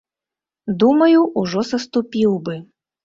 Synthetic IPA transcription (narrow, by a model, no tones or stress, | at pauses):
d̪umɐjuʔuʐɔsɐst̪upʲiwbɨ